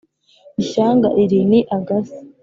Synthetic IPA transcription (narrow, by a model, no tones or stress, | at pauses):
iʃaːŋɡa̰ʔiɾiniʔaɡasi̥